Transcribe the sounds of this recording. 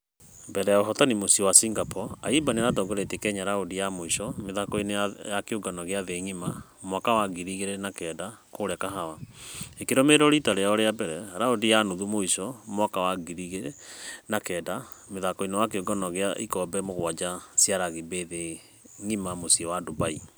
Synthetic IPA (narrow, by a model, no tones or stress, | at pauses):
mbɛɾɛjaoɦɔtanimosiɔwasiŋɡapɔaibaneɾatɔːɡoɾetekɛɲaɾaodijamoiʃɔmeðakɔinejakeoɡanɔɣeaðeŋima | mwakawaɡiɾiɣeɾenakɛːdakoɾɛkaɦawaekeɾɔmeɾɔɾitaɾeaɔɾeabɛɾɛaɾaodijanoðumoiʃɔmwakawaɡiɾiɣenakɛːda | meðakɔinewakeoɡanɔɣeaʔikɔbɛmoɣwad͡ʒasiaɾaɣibeðe | ŋimamosiɔwadobai